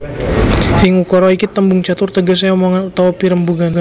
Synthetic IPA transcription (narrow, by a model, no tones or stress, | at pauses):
iŋukɔɾɔikit̪ːəmbuŋt͡ʃat̪ʊrt̪əɡas̬ajaomoŋanut̪awapiɾəmbuɡaɡa